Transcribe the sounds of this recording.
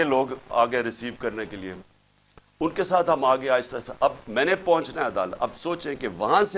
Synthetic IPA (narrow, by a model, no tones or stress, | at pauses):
eloːɡa̰ːɡeɾɪsiːʋkɐɾnekelie | ʊnkesaːt̪ɦɐmaːɡeaːɪst̪ɐsɐbmɛ̃ːnepɔɦʊ̃t͡ʃnaɦɛ̃ɐd̪a̰ːləɐ̰bsoːt͡ʃeẽkeʋɐɦãse